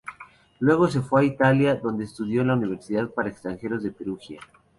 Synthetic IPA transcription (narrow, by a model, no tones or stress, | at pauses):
lwe̞ɣo̞s̬e̞fweait̪aljaðo̞nd̪eːst̪uðjo̞nlauniβ̞e̞ɾsiðaðpaɾaekst̪ɾaŋxe̞ɾo̞zðe̞pe̞ɾuxja